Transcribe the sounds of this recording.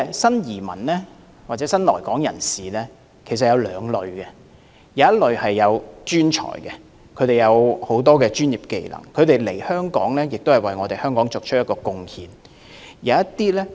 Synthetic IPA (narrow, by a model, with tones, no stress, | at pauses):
sɐ˥njiː˨˩mɐ̰˨˩nlɛː˥ | waː˨t͡sɛ˨˥sɐ˥nlɔː˨˩jkɔː˨˥ŋjɐ˨˩nsiː˨lɛː˥ | kʰe˨˩sɐ˨t̚jɐ˨˧wlœː˨˧ŋlɵ˨ɥɡɛ˧ | jɐ˨˧wjɐ˥t̚lɵ˨˧ɥhɐ˨jːɐ˨˧wt͡ʃyː˥nt͡ʃʰɔ̰ː˨˩jkɛ˧ | kʰɵ˨˧ɥt̪e˨jɐ˨˧who˨˥wt̪̬ɔː˥kɛː˧t͡ʃyː˥njiː˨p̚ke˧jlɐ̰˨˩ŋkʰɵ˨˧ɥt̪e˨jle˨˩jhœː˥ŋkɔ̰ː˨˥ŋlɛː˥jɪ˨k̚t̪o˥whɐ˨jwɐ˨jŋɔː˨˧t̪e˨jhœː˥ŋkɔː˨˥ŋt͡sʊ˨k̚t͡ʃʰt̚jɐ˥t̚kːɔː˧kʊ˧ŋhʰiː˨˩n | jɐ˨˧wɐ˥tt̪iː˥lɛː˥